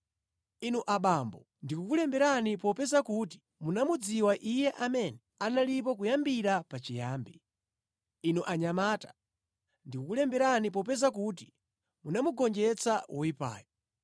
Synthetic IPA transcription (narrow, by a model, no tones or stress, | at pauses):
inuʔaɓambɔ | ndikukulɛmbɛɾanipɔpɛzakuti̥ | munamud͡ziwaʔijɛʔamɛnɛ | analip̬ɔk̬ujambiɾapat͡ʃijaːmbi | inuʔaɲamaːtḁ | ndikukulɛmbɛɾanip̬ɔp̬ɛzakuti | munamuɡɔnd͡ʒɛt͡sʰawɔwipa̰ːjɔ